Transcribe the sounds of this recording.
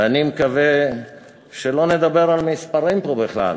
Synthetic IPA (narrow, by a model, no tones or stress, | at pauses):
animekave | ʃelo̞ne̞d̪abe̞ʁalmispaʁimpobeχla̰l